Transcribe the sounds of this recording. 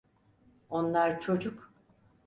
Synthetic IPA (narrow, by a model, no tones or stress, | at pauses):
onlˠaɾt͡ʃʰo̞d͡ʒuk